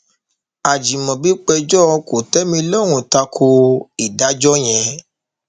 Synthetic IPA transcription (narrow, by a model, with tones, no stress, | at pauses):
a˨d͡ʒi˨mɔ̃˨bi˨˦k͡pɛ˧d͡ʒɔ˦˧ko˨tɛ˦mĩ˧lɔ˦˨ɾ̃ũ˨ta˧kʰo˧i˨da˨˦d͡ʒɔ˦j̃ɛ̃˧